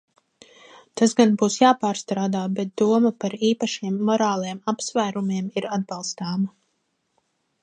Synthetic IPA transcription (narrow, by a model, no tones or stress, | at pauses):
t̪asɡanbuːsjaːpaːɾst̪ɾaːd̪aːbɛt̪̚d̪̥uɔmapaɾiːpaʃiɛmːɔɾaːlˠajɛmapsvæjɾumiɛmiɾad̪̚balˠst̪aːma